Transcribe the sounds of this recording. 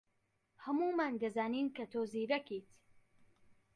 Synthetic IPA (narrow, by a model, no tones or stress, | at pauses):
hɐmuːmaːnd̪ɐzaːniːnkɐt̪ʰoːziːɾɐkit̪